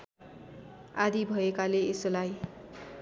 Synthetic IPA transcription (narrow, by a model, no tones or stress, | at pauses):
ad̪ibʱʌekaleesolaj